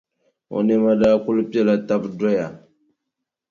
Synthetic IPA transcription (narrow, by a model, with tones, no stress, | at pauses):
o̰˨ne˦ma˦da˦ku˦lpi˦e˦la˨ta˦pdo˦ja˨